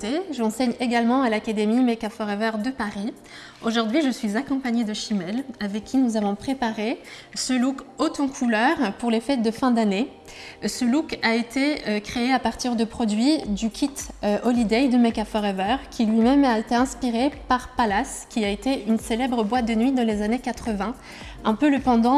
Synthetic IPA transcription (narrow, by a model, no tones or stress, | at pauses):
t̪eʒəɑ̃sɛɲeɡalmɑ̃alakad̪emimekafɔʁɛvœʁd̪əpaʁi | oʒuʁd̪ɥiʒəsɥizakɔ̃paɲed̪əʃimɛlavɛkʲʰːinuzavɔ̃pχepaʁesəlukot̪ɑ̃kʰulœʁpuʁlefɛt̪̚d̪əfɛ̃d̪ane | səlukaet̪ʰekχeeapaʁt̪iʁd̪əpχɔd̪ɥid̪ykʲʰit̪øɔlid̪ɛjd̪əmekafɔʁɛvœʁkʲilɥimɛmaet̪eɛ̃spiʁepaʁpalaskʲiaet̪eynselɛbʁəbwat̪̚d̪ənɥid̪ɑ̃lezanekat̪χəvɛ̃ | ɛ̃pøləpɑ̃d̪ɑ̃